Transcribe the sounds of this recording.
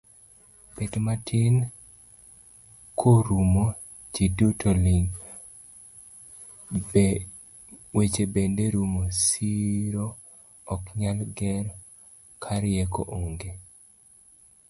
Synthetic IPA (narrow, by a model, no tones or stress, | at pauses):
pedmatʰɪn | kʰoɾumo | d͡ʒidutʰolɪŋ | wet͡ʃebendeɾumosiɾo | ɔkɲalɡɛɾ | kʰaɾɪjɛko̰ʔoŋɡe